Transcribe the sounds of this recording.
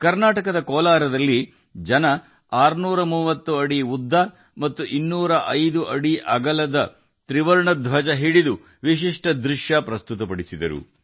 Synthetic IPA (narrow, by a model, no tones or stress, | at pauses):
kɐɾnaːʈɐkɐd̪ɐkɔːlaːɾɐd̪ɐlːi | d͡ʒɐnɐ | aːɾnuːɾɐmuːʋɐt̪ːuɐɽiud̪ʱːɐ | mɐt̪ːuʔinːuːɾɐʔɐjd̪uʔɐɽiʔɐɡɐlɐd̪ɐ | t̪ɾiʋɐɾɳɐd̪ʋɐd͡ʒɐɦiɽid̪u | ʋiʃ̬iʂʈɐd̪ɾiʂjɐpɾɐst̪ut̪ɐpɐɽisid̪ɐɾṵ